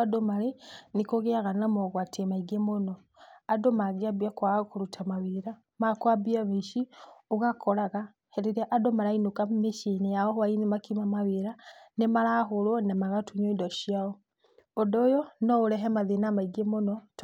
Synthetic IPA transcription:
adomaɾenikoɣeaɣanamɔɣwatʰemaiɡemonɔ | adomaɣeabiakwakuɾutʰamaβiɾa | makwabjaβiʃioɣakʰɔɾaɣa | hɛɾeɾɛʔadomaɾainokameʃinijaɔhwainimakimamaβeɾanemaɾaxoɾwɔnemaɣatuɲoidɔʃiaɔ | odɔjɔnɔoɾɛɦɛmaðenamaiɡemonɔt

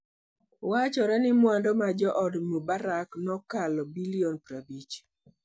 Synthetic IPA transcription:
wat͡ʃɔɾɛnɪmwandɔmad͡ʒɔʔɔdmubaɾaknɔkalɔbiliɔnpɾabit͡ʃ

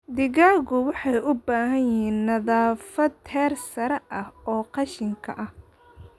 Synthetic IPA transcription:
d̪ɪɣaːɣʊwɑħɑjʔʊbaːɦɐjɪɦiːnːɐðaːfɐd̪ʰɛːrsɐɾɛʔɐhɔːqɑʃɪŋkʰɐ̰ʔɐh

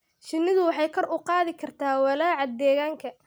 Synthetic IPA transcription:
ʃɪnɪðʊwɑħɑjkʰɐrʊqɑːðɪkʰɐrt̪ʰaːwɑlaːʕɑd̪ɛːɣaːŋkʰɐ

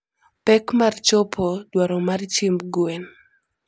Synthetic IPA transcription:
pɛkmart͡ʃopʰodwaɾɔmart͡ʃɪmbɡwɛn

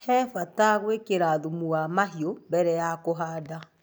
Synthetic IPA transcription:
hɛfataɣwekeɾaðumuwamaɦjombɛɾɛjakoɦada

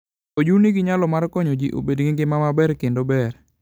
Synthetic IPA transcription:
od͡ʒuniɡiɲalɔmarkɔɲod͡ʒiʔo̰bedɡɪŋɡɪmamabɛɾkendobɛr

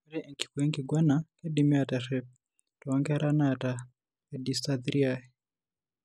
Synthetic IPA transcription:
ɛɾɛʔŋki̥kwɛŋɡiɡwanakɛdimiataʃɛp̚ | tɔaŋɡaɾanata | kɛdistaðiɾiaɛ

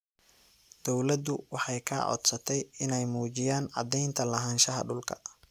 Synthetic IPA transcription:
d̪̥ɔwlɐd̪ʊwɑħɑjkʰɐ̰ʕɔ̰d̪sɐt̪ʰɛjɪnɛjmuːt͡ʃɪjaːnɑ̰d̪ɛjnt̪ʰɐlɐɦaːnʃɐɦɐ̰ɖʊlkʰɐ

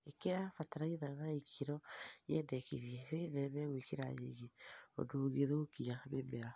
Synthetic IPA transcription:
ekeɾafataɾaiðananaikʰiɾɔjɛndɛkḭɾiɛβeðɛβɛɣwikeɾa̰jḛɣeo̰duɣeðokiaβemɛɾa

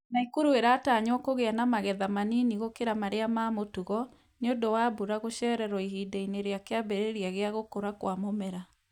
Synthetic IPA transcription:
naikoɾueɾaːtaːɲwɔkoɣeanamaɣɛðamaniniɣokeɾamaɾeamaːmotuɣɔ | neondowaːbuɾaɣoɕɛɾɛɾɔiɦiːdeineɾeakeabeɾeɾiaɣeaɣokoɾakwamomɛɾa

